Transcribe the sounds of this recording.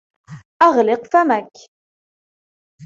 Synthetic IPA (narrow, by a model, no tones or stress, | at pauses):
ʔɑʁlɪqfamak